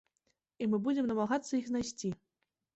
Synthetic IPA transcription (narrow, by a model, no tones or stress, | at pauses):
imɨbud͡zʲemnɐmaɣat̪sːɐixznajsʲt͡sʲi